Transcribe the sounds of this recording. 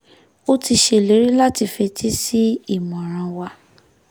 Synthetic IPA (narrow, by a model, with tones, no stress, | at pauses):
o˦ti˧ʃe˦˨le˨˦ɾi˦la˦ti˧fɛ˧tʰi˦si˦i˦˨mɔ̃˨ɾ̃ã˧wa˧